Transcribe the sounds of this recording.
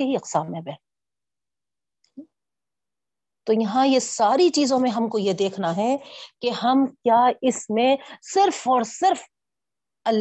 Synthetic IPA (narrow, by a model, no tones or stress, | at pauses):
eɦiɐqsaːbmẽbɛ | t̪oːjɐɦãjesaːɾit͡ʃiːzõmẽɦɐmkojed̪eːkʰnaɦɛkeɦɐmkjaːɪsmẽsɪɾfɔːɾsɪɾf | ɐlː